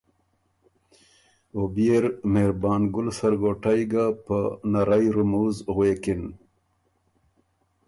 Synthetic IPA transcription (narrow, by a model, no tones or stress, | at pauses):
obijeɾmeɾbɑːnɡʊlsaɾɡoʈajɡapənaɾajɾʊmuːzɣweːkɪn